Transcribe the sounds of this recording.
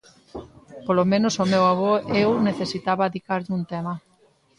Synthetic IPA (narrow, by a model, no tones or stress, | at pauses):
polomẽnosomewaβ̞oewneθesit̪aβaðikaɾʎunt̪ema